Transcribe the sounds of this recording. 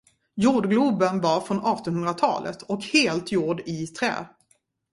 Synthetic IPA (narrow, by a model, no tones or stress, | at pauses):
juːɖɡlɵbənvɑɾfɾɔnɑːʈɔnhɵnd̪ɾat̪ʰɑ̰ːlə̰t̪ʰɔkheːlt̪juːɖɪt̪ʰɾɛ̰ː